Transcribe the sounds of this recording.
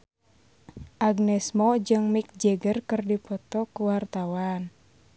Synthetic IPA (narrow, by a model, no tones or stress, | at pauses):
ʔaɡnɛsmɔd͡ʒɨŋmik̚d͡ʒɛɡərkɨrdipɔt̪ɔkuwart̪awan